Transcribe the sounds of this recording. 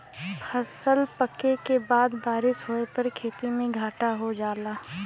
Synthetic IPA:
pʰɐsəlpəkekebaːd̪baːɾɪsɦoepɐɾkʰeːt̪imẽɡʱaːʈaɦod͡ʒaːlaː

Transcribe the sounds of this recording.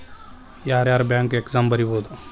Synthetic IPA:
jaːɾjaːɾbɛ̃ːŋkeekzambəɾiboːd̪o

